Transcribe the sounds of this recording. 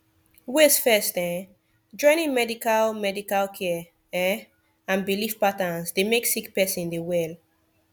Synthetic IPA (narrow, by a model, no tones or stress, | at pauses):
wesfɛsdɛ̃ | d͡ʒɔ̃ɪ̃nĩŋmɛdikalmɛdikalkʰɛ | ɛ | ãnbilifpatãnsdemeksikpɛsĩndewɛl